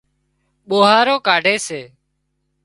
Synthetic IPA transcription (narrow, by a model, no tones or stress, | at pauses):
ɓoːɦaːɾoːkaːɖʱeːseː